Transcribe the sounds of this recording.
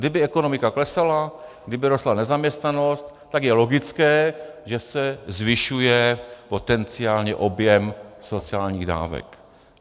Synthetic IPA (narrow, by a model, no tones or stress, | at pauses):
dɪbɪɛko̞nomɪkaklɛsalaɡdɪbɪɾost̪lanɛzamɲɛst̪nano̞st̪ | t̪aɡjɛlo̞ɡɪt͡skɛːʒɛsɛzvɪʃujɛpo̞t̪ɛnt͡sɪaːlɲɛʔo̞bjɛmso̞t͡sɪaːlɲiːɣda̰ːvɛ̰k